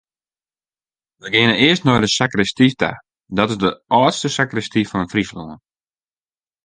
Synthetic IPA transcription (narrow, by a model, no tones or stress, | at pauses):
ʋəɡɪənəɪəstnɔjdəsakrɛstifta̰ | dɔtɪzdəʔɔːtstəsakrɛstifɔnənfrislo̰ən